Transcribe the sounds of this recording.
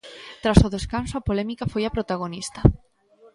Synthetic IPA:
t̪ɾasʊðeskansoapolɛmikafojapɾot̪aɣ̞onist̪ɐ

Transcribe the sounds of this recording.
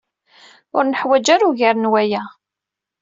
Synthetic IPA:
ʊ̰ɾnəħwæd͡ʒaɾuʝaɾnwæjæ

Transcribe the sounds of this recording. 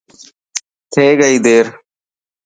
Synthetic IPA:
t̪ʰeːɡəiːd̪eːɾ

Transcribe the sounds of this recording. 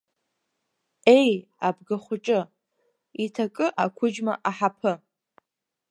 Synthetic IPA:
e̞j | abɡaχʷʊʈ͡ʂʼɨ | itʰakʼɨʔakʷʰʊd͡ʒma̰ʔaħapʰɨ

